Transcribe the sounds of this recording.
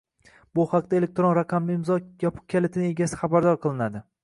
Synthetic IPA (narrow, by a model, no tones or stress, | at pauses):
bʊhɑqd̪ae̞lek̚ʲt̪ɾonɾaqʰɑmlɪɪmzɒjapʰʊ̥q̚kʲʰalet̪ʰɪnɪe̞ɡʲasɪ̥χɑbaɾd̪ɒɾqʰɨlˠɪnad̪ɪ